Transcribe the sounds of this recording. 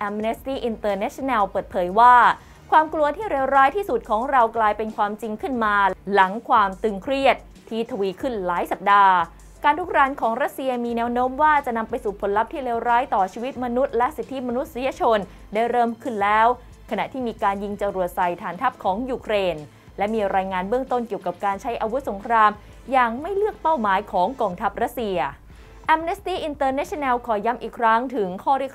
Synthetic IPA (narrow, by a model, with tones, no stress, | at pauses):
ʔɛ˧mne˦˥st̪iː˥˩ʔi˧nt̪ɤː˧nɛː˦˥t͡ɕʰi˧˥nɛ˧wpɤː˨˩t̪̚pʰɤː˩˦jwaː˥˩ | kʰwaː˧mklu˧ɐt̪ʰiː˥˩ɾeː˧wɾaː˦˥jt̪ʰiː˥˩su˨˩t̪̚kʰɔː˩˦ŋɾa˧wklaː˧jpe˧nkʰwaː˧mt͡ɕi˧ŋkʰɯ˥˩nmaː˧la˩˦ŋkʰwaː˧mt̪ɯ˧ŋkʰɾi˥˩ət̪̚ʰːiː˥˩t̪ʰa˧wiː˧kʰɯ˥˩nlaː˩˦jsa˨˩p̚daː˧ | kaː˧nt̪ʰu˦˥k̚ɾaː˦˥nkʰɔː˩˦ŋɾa˦˥t̪̚si˧ɐmiː˧nɛː˦˧˥wnoː˦˥mwaː˥˩t͡ɕa˨ʔna˧mpa˧jsuː˨˩pʰo˩˦nla˦˥p̚t̪ʰiː˥˩ɾeː˧wɾaː˦˥jt̪ɔː˨˩t͡ɕʰiː˧wi˦˥t̪̚ma˧nu˦˥t̪̚lɛ˦˥ʔsi˨˩t̪ʰːi˦˥ma˧nu˦˥t̪̚si˦ja˧t͡ɕʰo˧n | daː˥˩jɾɤː˥˩mkʰɯ˥˩nlɛː˦˥w | kʰa˧na˨˩ʔt̪ʰiː˥˩miː˧kaː˧nji˧ŋt͡ɕa˧ɾu˨˩ət̪̚sa˨˩jt̪ʰaː˨˩˦nt̪ʰa˦˥p̚kʰɔː˩˦ŋjuː˧˩kʰɾeː˧n | lɛ˦˥miː˧ɾaː˧jŋaː˧nbɯ˥əŋt̪o˥˩nki˨˩əwka˨˩p̚kaː˧nt͡ɕʰa˦˥jʔaː˧wu˦˥t̪̚so˩˦ŋkʰɾaː˧m | jaː˨˩ŋma˥˩jlɯ˥˩ək̚pa˥˩wmaː˩˦jkʰɔː˩˦ŋkɔː˧ŋt̪ʰa˦˥p̚ɾa˦˥t̪̚si˧ɐ | ʔɛ˧˥mne˦˥st̪iː˥˩ʔi˧nt̪ɤː˧nɛ˦˥t͡ɕʰi˥˧nɛː˧wkʰɔː˩ja˦˥mʔiː˨˩kʰɾa˦˥ŋt̪ʰɯ˩˦ŋkʰɔː˥˩ɾi˥˩ək̚